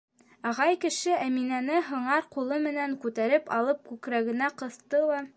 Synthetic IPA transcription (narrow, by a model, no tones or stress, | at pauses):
ɑʁɑjkɘ̆ʃɘʔæminænɘɦɤ̆ɴɑɾqulˠɤmɘ̆næŋkʉt̪æɾɘpɑ̰lˠɤp̚kʉkɾæɡɘ̆næqɤ̆θt̪ɤlˠɑ